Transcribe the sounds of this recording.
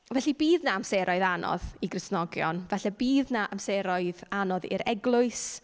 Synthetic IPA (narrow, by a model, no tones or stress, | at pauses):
vɛɬibiːðnaamseɾʔɔɨðanɔ̰ðiɡrɪsnɔɡjɔ̰nvɛɬɛbiːðnaʔamseɾɔɨðanɔðɪ̰ɾɛɡlˠʊɨs